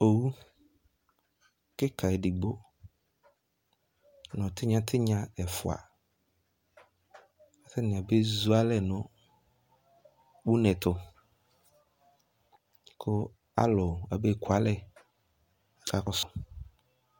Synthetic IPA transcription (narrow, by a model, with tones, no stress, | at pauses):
o˨wu˦ | kɪ˦kʰa˨ɛ˨di˨ɡ͡bo˦ | nɔ̃˨tʰɪ˦ɲã˦tʰɪ˦ɲã˦ɛ˨fʊ̰˨a̰˨ | a˨tʰɪ˦nɪ̃˨a˨be˦zu˦a˦lɛ˦nʊ̃˨ | wu˦nɛ̃˨tʰʊ˨ | kʰʊ˦ | a̰˦lɔ˨a˨bɛ˦˨kʰwa˨˦lɛ˦˨ | kʰa˨kʊ˦sʊ˨